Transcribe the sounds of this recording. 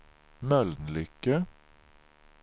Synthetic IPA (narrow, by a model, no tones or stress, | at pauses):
mœlnlʏkə